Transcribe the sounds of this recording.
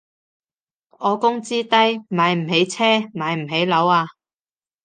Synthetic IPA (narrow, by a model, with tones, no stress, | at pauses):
ɔː˨˧kʊ˥ŋt͡siː˥t̪ɐ˥jmaː˨˧jm̩˨˩ɦe˨˥jt͡sʰɛː˥maː˨˧jm̩˨˩ɦe˨˥jlɐ˨˥waː˧